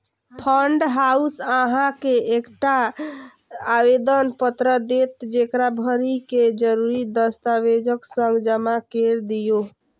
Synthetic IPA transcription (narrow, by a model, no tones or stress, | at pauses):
pʰəɳɖɦausəɦãkeekʈa | awed̪ənpət̪ɾəd̪et̪d͡ʒekɾabʱəɾiked͡ʒəɾuɾid̪əst̪awed͡ʒəksə̃ŋɡd͡ʒəmakeɾd̪ijo